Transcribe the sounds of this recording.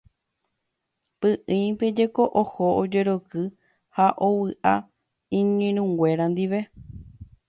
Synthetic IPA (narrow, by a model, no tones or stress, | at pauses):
pɨʔɨ̃jt̪ed͡ʒe̞ko̞ʔohoʔod͡ʒe̞ɾokɨ | haʔowɨʔa | ĩɲĩɾ̃ũŋɡʷwʷe̞ɾand̪iʋe̞